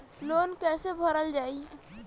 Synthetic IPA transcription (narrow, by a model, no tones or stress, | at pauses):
loːnkɛːsebʱəɾəld͡ʒaːi